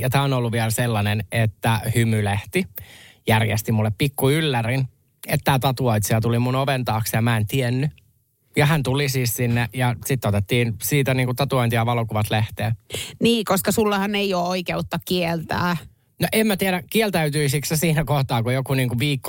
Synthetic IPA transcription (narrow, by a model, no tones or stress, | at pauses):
jɑt̪æːonolːuʋʋiɛlselːɑnenet̪ːæhymyleht̪ijærjḛst̪imulːeppikːuylːærin | et̪ːæːt̪ɑt̪uɑit̪siɑt̪ulimunoʋent̪ɑːksjɑmæent̪ienːy | jɑɦænt̪ulisiːssinːejɑsit̪ːot̪et̪ːiːnsiːt̪æniːŋkut̪ɑt̪uoint̪iɑʋɑlokuʋɑt̪leht̪eːniːkoskɑsulːɑhɑnneioːoikeut̪ːɑkkielt̪æ̰ː | noʔemmæt̪iæɾækielt̪æyt̪yisiksæsiːnækoht̪ɑːkujokuniːŋkuʋiːkːo